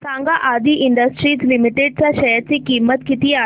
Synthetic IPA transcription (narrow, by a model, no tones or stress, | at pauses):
sãːŋɡaʔaːd̪iʔɪɳɖəsʈɾiːd͡ʑlimɪʈeɖt͡saʃɐjəɾt͡sikiːmət̪kit̪ia